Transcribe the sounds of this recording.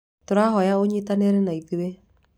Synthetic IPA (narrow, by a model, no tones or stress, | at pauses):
toɾaɦɔjaoɲetaneɾenaiðiwe